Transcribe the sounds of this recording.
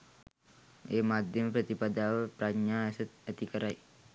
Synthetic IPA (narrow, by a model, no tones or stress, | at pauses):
emad̪ʱjəmpɾət̪ipad̪awəpɾaɡɲaəsət̪̚ət̪ikəɾaj